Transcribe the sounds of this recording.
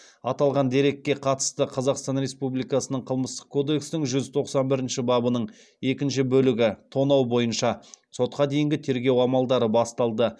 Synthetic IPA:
ɑt̪ɑlˠʁɑnd̪e̞ɾe̞k̚ʲːe̞qʰɑt̪ə̥st̪əqʰɑzɑqst̪ɑnɾe̞spublˠijkɑsənəɴqʰəlˠməst̪ə̥q̚kʰo̞d̪e̞ksnɪŋʒʏzt̪ʰo̞qsɑnbɪɾɪnʃɪbɑbənəɴ | e̞kʲɪnʃɪbɵlɪɡʲɪt̪ʰo̞nɑwbo̞jənʃɑso̞t̪̚qɑd̪e̞jɪŋɡʲɪt̪ʰe̞ɾɡʲe̞wɑmɑlˠd̪ɑɾəbɑst̪ɑlˠd̪ə

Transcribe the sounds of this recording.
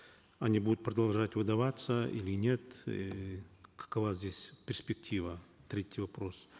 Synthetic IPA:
ɐnʲibud̪ʊt̪̚pɾəd̪ɐlˠʐatʲvɨd̪ɐvat̪səʔḭlʲɪnʲe̞t̪ | kɐ̥kɐvazʲdʲesʲpʲɪrʲsʲpʲɪk̚tʲʰivət̪ɾʲetʲːɪjvɐpɾo̞s

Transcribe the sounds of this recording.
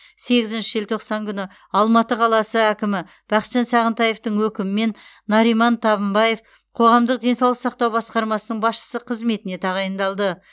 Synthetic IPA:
se̞ɡʲɪzɪnʃɪʒelʲt̪ʰo̞qsɑŋkʲʰʏnɪ | ɑlˠmɑt̪əqʰɑlˠɑsəækʲɪmɪ | b̥ɑqə̥t̪ʒɑnsɑʁənt̪ɑje̞ft̪əɴwɵkʲɪmɪme̞nː | ɑɾijmɑnt̪ʰɑβəmbɑje̞f | qʰo̞ʁɑmd̪əq̚d̪e̞nsɑwlˠəqsɑqt̪ɑwbɑsqɑɾmɑsənəɴbɑsʃə̥səqʰəzme̞t̪ɪne̞t̪ʰɑʁɑjənd̪ɑlˠd̪ə

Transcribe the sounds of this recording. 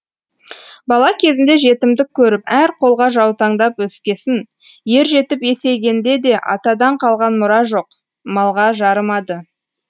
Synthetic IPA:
bɑlˠɑkʲʰe̞zɪnd̪e̞ʒe̞t̪ɪmd̪ɪkʲʰːɵɾɪpæɾqʰo̞lˠʁɑʒɑwt̪ɑɴd̪ɑpwɵskʲe̞sɪn | je̞ɾʒe̞t̪ɪpje̞se̞ɡʲe̞nd̪e̞d̪e̞ʔɑ̰t̪ɑd̪ɑɴqʰɑlˠʁɑnmʊɾɑʒo̞q | mɑlˠʁɑʒɑɾəmɑd̪ə

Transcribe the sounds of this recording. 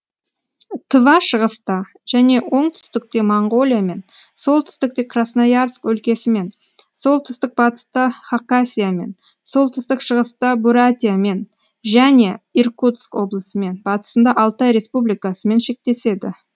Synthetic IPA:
t̪ʰəvɑʃəʁəst̪ɑ | ʒ̥æne̞wo̞ɴt̪ʰʏ̥st̪ɪk̚t̪e̞moɴɡo̞lʲijame̞nso̞lˠt̪ʰʏ̥st̪ɪk̚t̪e̞kʰrasnajarskwɵlkʲe̞sɪme̞n | so̞lˠt̪ʰʏst̪ɪk̚bɑt̪ə̥st̪ɑχakasʲijame̞̰n | so̞lˠt̪ʰʏst̪ɪkʃəʁəst̪ɑbuɾat̪ʲijame̞n | ʒæne̞irkut̪skwo̞blˠəsəme̞nbɑt̪ə̥sənd̪ɑʔɑlˠt̪ɑjɾe̞spublijkasəme̞nʃe̞k̚t̪e̞se̞d̪ɪ

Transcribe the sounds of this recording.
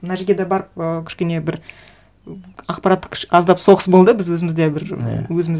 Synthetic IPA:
mənɑʒeɡʲed̪ɑbɑɾəp̚əkʲʰʏ̥ʃkʲe̞ne̞bɪɾ | ɑqpɑɾat̪ːə̥kʲʰʃɑzd̪ɑpso̞ʁəsbo̞lˠd̪əbɪzwɵzɪmɪzd̪ebɪɾwɵzɪmɪz

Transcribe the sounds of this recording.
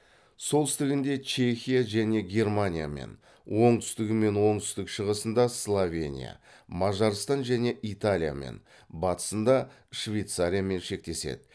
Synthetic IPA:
so̞lˠt̪ʰʏst̪ɪɡʲɪnd̪e̞t͡ʃʰe̞xʲijaʒæne̞ɡʲe̞rmanʲija̰me̞̰n | wʔo̞ɴt̪ʰʏ̥st̪ɪɡʲɪme̞nwo̞ɴt̪ʰʏst̪ɪkʃəʁəsənd̪ɑslˠovʲe̞̰nʲḭja̰ | mɑʒɑɾst̪ɑnʒæne̞ʔit̪alʲija̰me̞̰n | bɑt̪ə̥sənd̪ɑ | ʃvʲejt̪saɾʲijame̞nʃe̞k̚t̪e̞se̞̰d̪ɪ

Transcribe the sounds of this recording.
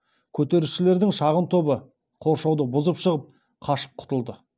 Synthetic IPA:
kʲʰɵt̪e̞ɾuʃɪle̞ɾd̪ɪŋʃɑʁənt̪ʰo̞bə | qʰo̞ɾʃɑwd̪əbʊzəpʃəʁəp̚ | qʰɑʃə̥p̚qʰʊ̥t̪əlˠd̪ə

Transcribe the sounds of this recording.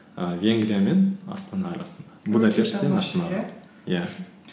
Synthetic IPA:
vʲeŋɡɾijamenɑ̰st̪ɑnɑːɾɑsənd̪ɑbud̪ɑk̪ʲʰeɾʃt̪ːenɑsənɑd̪ | jæ

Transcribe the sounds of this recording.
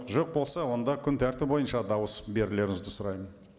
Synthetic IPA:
qʒoq̚bo̞lˠsɑwo̞nd̪ɑkʲʰʏnt̪ʰæɾt̪ɪpbo̞jənʃɑd̪ɑwəsbe̞ɾɪle̞ɾɪnɪzd̪ɪsʊɾɑjmən

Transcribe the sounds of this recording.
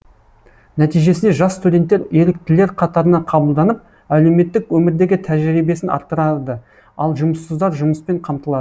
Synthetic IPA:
næt̪ijʒe̞sɪne̞ʒɑsst̪udʲe̞nt̪ːe̞ɾje̞ɾɪk̚t̪ɪle̞ɾqʰɑt̪ɑɾənɑqʰɑbəlˠd̪ɑnəp̚ | æle̞me̞t̪ːɪkwɵmɪɾd̪e̞ɡʲɪt̪ʰæʒɾijbe̞sɪnʔɑ̰ɾt̪ːəɾɑd̪ə | ɑlˠʒʊməsːəzd̪ɑɾʒʊməspe̞ɴqʰɑmt̪əlˠɑd̪ə

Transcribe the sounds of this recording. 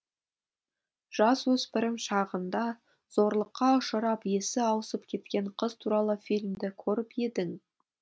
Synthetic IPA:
ʒ̥ɑswɵzpɪɾɪŋʃɑʁənd̪ɑ | z̥o̞ɾlˠəqːɑʊʃəɾɑpje̞sɪɑwəsəp̚kʲʰe̞t̪kʲe̞ɴqʰəzt̪ʰuɾɑlˠəfijlʲmd̪ɪkʲʰɵɾɪpje̞d̪ɪŋ

